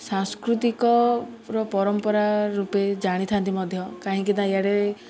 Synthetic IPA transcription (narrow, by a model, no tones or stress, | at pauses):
saŋskɾut̪ikɔɾɔpɔɾɔmpɔɾaɾuped͡ʒaɽ̃it̪ʰant̪imɔd̪ʱjɔkaɦĩkinaeaɽe